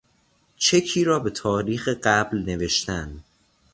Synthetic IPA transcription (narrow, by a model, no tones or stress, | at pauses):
t͡ʃʰe̞kʰiːɾɒːbe̞t̪ʰɒːɾiːxeɢæblne̞ve̞ʃt̪ænd̪